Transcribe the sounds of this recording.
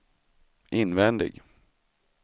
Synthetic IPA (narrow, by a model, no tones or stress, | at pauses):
ʔɪnvɛnd̪ɪ̰ɡ